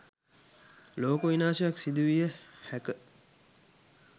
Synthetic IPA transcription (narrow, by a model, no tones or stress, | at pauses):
loːkuʋinaːʃəjaksid̪uʋijəhækə